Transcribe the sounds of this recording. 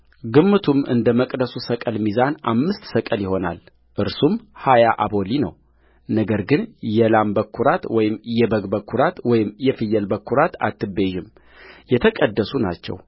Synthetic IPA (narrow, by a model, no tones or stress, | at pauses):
ɡɨmːɨt̪ʰumɨ̰nd̪əməkʼd̪əsusəkʼəlmizanʔa̰mːɨst̪səkʼəljɪho̞na̰l | ʔɨɾsumhajaʔabo̞linə̰w | nəɡəɾɡɨnjɛlambəkːuɾat̪wɔjɪmjɛbəɡbəkʰːuɾat̪wɔjɪmjɛfɨjːɛlbəkːuɾat̪a̰t̪ʰːɨbeʒɪm | jɛt̪ʰəkʼəd̪ːəsuna̰t͡ʃːɛ̰w